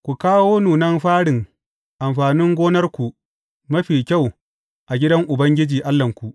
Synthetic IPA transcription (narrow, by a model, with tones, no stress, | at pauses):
kʷu˨kaː˦woː˦nuː˨nɐ˦mɸaː˦ɽɪ˨ŋ | ʔa˨mɸaː˨nɪ˦ŋɡʷoː˦nɐ˦rkʷu˨ | mɐ˦ɸiː˨kʲa˦˨w | ʔa˨ɡʲɪ˦dɐ˦ŋʔʊ˨bɐ˦ŋɡʲɪ˦d͡ʒiː˨ʔa˦lːɐ˨ŋkʷu˨ʔ